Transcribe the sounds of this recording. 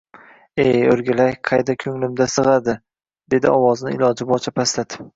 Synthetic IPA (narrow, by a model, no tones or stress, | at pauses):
ejɵɾɡʲalajqʰɑjd̪akʲʰɵŋlɪmd̪asɨʁɑd̪ɪ | d̪̥e̞d̪ɪɒwɒznɪɪ̰lɒd͡ʒɪbɒt͡ʃʰapʰaslat̪ɪ